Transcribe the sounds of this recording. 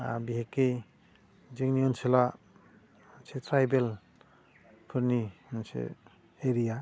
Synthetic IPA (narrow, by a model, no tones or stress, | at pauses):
a̰biɦekːej | zɯŋniɔnsila | nsetʰɾajbel | pʰɯɾninsḛ | eɾija